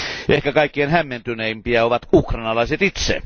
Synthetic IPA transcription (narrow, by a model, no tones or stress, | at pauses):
ʔehkækɑikːienhæmːent̪yneimpiæoʋɑt̪ukrɑnɑlɑˑiset̪it̪sḛ